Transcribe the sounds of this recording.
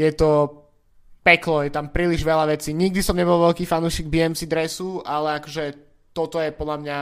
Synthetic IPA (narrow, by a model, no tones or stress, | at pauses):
jɛt̪ɔ | pɛklɔjɛt̪ampɾiːliʒʋɛlaʋɛt͡siːɲiɡ̚d̪isɔmɲɛbɔlʋɛlkiːfanuːʃiːɡbiɛmsid̪ɾɛsualɛakɔʒɛ | t̪ɔt̪ɔjɛpɔd̪ʎamɲa